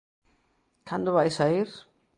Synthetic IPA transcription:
kʰand̪oβajsaiɾ

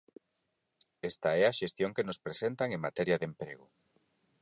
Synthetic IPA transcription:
est̪aɛaʃest̪joŋkenospɾesent̪aŋeŋmat̪ɛɾjɐðempɾeɣ̞ʊ

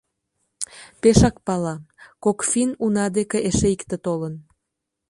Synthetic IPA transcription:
peʃɑkpɑlɑkokfinunɑd̪ekeʔeʃeikt̪et̪olən

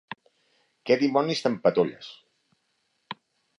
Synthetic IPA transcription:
kɛd̪imɔnist̪əmpət̪oʎə̰s

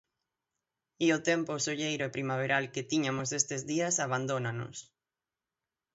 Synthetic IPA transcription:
iʊt̪emposoʎejɾʊepɾimaβ̞eɾʔalket̪iɲamʊsest̪ezðiɐsaβand̪onano̰s

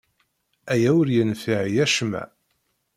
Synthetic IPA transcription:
æjæwəɾjənfiʕjæʃmæ̰

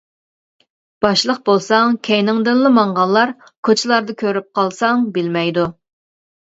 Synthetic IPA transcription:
b̥ɑʃlˠəq̚bolˠsɑŋkʲʰɛjnɪŋd̪ɪnlˠɨmɑɴʁɑlˠːɑɾ | kʰot͡ʃʰɪlˠɑɾd̪ɨkʲʰøɾyp̚qʰɑlˠsɑŋbɪlmɛjd̪u

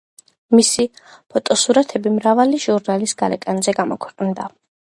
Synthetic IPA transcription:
misipʰɔt̪ʼɔsuɾat̪ʰɛbimɾavaliʒuɾnalisɡalɛkʼanzɛɡamɔkʰwɛqʼnd̪a

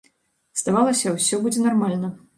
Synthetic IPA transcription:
z̥d̪avalˠɐsʲɐwsʲɔbud͡zʲɛnarmalʲnɐ

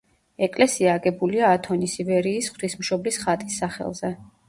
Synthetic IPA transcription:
ɛkʼlɛsiaːɡɛbuliaːt̪ʰɔnisivɛɾiːsχt̪ʰismʃɔblisχat̪ʼisːaχɛ̰lˠzɛ

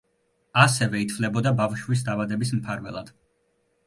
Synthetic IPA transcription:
asɛvɛit̪ʰvlɛbɔd̪abafʃwis̬d̪avad̪ɛbism̩pʰaɾvɛ̰lˠa̰d̪̥

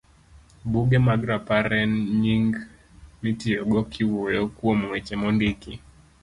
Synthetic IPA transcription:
buɡɛmaɡɾapaɾɛnɲiŋɡ | mitɪoɡɔkʰɪwojokwomwet͡ʃemɔndiki

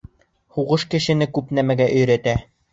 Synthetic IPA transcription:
huʁɤʃkɘ̆ʃɘ̆nɘkʉpnæmæɡæʔɵ̆jɾæt̪æ

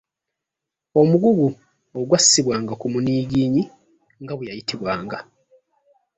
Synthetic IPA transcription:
o̞muɡuɡu | oɡwasːiβwaːŋɡakumuniːɡiːɲi | ŋɡaβujajitiβwaːŋɡa

